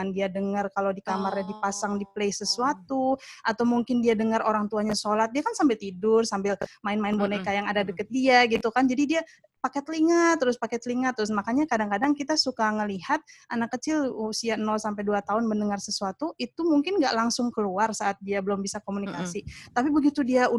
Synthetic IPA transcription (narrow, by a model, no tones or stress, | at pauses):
andiadəŋərkalowdikamarɲadipasaŋdipleisəsuat̪uʔat̪awmuŋkɪndiadəŋəroɾaŋt̪uaɲasolat̪̚diakansambɪlt̪idʊrsambɪlmaɪnmaɪnbonekajaŋadadəkət̪̚diaɡit̪ukand͡ʒadidia | pakɛt̪əliŋat̪ːɾʊspakɛt̪əliŋat̪ːɾʊsmakaɲakadaŋkadaŋkit̪asukaŋəliɦat̪̚ʔanakːət͡ʃɪlusianɔlsampajduat̪aʊnməndəŋarsəsuat̪uʔit̪umuŋkɪnɡa̰ʔlaŋsʊŋkəluarsaʔat̪̚diabəlʊmbisakomunikasit̪apibəɡit̪udiau